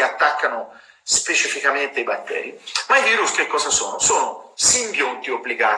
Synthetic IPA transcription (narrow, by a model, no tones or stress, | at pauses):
at̪ːakːano | spet͡ʃifikament̪eibat̪ːɛ̰ːɾimaiviːɾuskekːɔːzasoːnosoːnosiŋɡjont̪iobːliɡaː